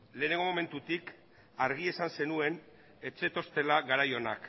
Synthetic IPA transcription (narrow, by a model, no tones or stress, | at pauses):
le̞ːne̞ŋɡo̞mome̞nt̪ut̪ik | aɾɣ̞ie̞sanse̞nue̞n | e̞t͡se̞t̪o̞st̪e̞laɣaɾajo̞na̰k